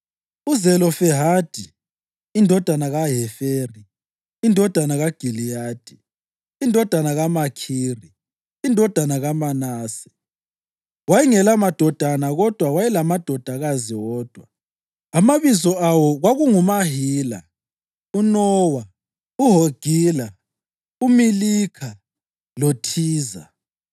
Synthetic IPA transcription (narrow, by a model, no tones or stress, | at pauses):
uzɛlɔfɛɦad̥ʱi | indʱɔd̥ʱanaɣaɦɛfeːriː | ndʱɔd̥ʱanaɣaɡ̥ʱilijaːd̥ʱiː | ndʱɔd̥ʱanaɣamakʰiːriː | ndʱɔd̥ʱanaɣamanaːsɛ̥ | wajiŋɛlamad̥ʱɔd̥ʱanaɣɔd̥ʱwawajɛlamad̥ʱɔd̥ʱaɣaziwɔːd̥ʱwa | amaβizɔawɔɣwaɣuŋumaɦiːla̰ | unɔwa | uɦoɡ̥ʱiːla | umilikʰa | lotʰiːza̰